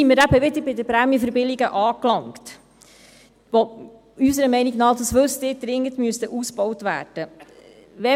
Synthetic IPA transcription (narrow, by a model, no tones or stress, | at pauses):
iməɾæbəʋɪd̪əɾbɪdəɾpɾæmjəfəɾbɪliɡəʔɑːklɑŋkt | ʋɔ | ysəɾəmɛɪniɡnɑːd̪ɑsʋɵstɪːɾd̪ɾɪŋːətmyəst̪əʔusbɔwtʋæ̰ːd̥ə | ʋɛ